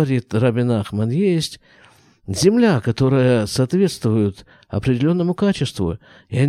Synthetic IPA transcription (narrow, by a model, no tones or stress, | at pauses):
ɐɾʲit̪rɐbʲɪnaxmənjesʲtʲ | zʲɪmlʲakɐt̪o̞ɾɨjəsɐːt̪vʲe̞t̪st̪vʊjʊt̪ | ɐ̰pɾʲɪdʲɪlʲo̞nːəmʊkat͡ɕɪst̪vʊ̰ | ɪɐ